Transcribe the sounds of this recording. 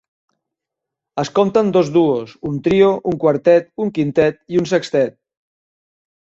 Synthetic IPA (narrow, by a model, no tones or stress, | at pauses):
əskomt̪ənd̪ozduosunt̪ɾioʔuŋkwaɾt̪ɛt̪uŋkint̪ɛt̪̚iunsəkst̪ɛt̪̚